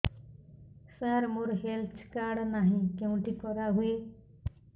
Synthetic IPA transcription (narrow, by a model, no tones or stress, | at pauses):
saɾmoɾɦeltʰkaɽnaɦĩkeũʈikɔɾaɦue